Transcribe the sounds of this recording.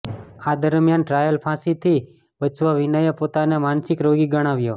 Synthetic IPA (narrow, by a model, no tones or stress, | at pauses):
ad̪əɾmjanʈɾajəlpʰãsit̪ʰi | ʋət͡ʃʋaʋinəjəpot̪anamansɪkɾoɡiɡəɽ̃aʋjo